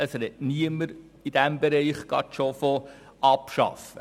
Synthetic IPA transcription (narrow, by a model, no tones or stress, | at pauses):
əsɾɛtniəməɾ | id̥æmbɛɾɛɪχɡ̥ɑ̰tʃofo | ʔɑpʃɑ̰fə